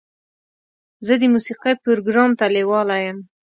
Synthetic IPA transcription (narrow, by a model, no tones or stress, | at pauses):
zəd̪əmusiqajpʊɾoɡɾɑmt̪alewɑlajəm